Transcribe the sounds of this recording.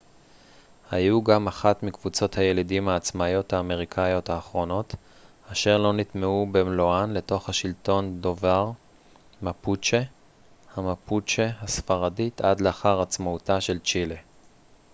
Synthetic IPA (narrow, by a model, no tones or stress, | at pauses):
hajuɡamaχatmikv̥ut͡so̞thaje̞lidimhaːt͡smajo̞thaːme̞ʁ̞ikʰajo̞thaːχʁo̞no̞t | aʃe̞ʁlo̞nit̪meubemloanle̞to̞χhaʃilto̞ndo̞vaʁ | maput͡ʃe | hamaput͡ʃehasfaʁaditʰadlaaχaʁat͡smautaʃe̞lt͡ʃile